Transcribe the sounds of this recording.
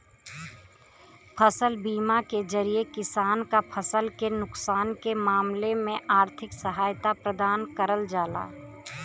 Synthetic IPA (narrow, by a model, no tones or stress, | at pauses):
pʰəsəlbiːmakezɐɾiekɪsaːnkapʰəsəlkenʊksaːnkemaːmlemẽʔaːɾt̪ʰɪksəɦaːjt̪apɾəd̪aːnkəɾəld͡ʒaːla̰ː